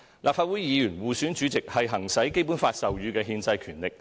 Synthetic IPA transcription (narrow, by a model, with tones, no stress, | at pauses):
lʔaː˨p̚faː˧wu˨˥jjiː˨˧jyː˨˩nwuː˨syː˨˥nt͡ʃy˨˥t͡sɪ˨k̚hɐ˨jɦɐ˨˩ŋsɐ˨˥jke˥jp̬uː˨˥nfaː˧t̚sɐ˨wjyː˨˧kɛː˧ɦiː˧nt͡sɐ˧jkʰyː˨˩nlɪ˨k̚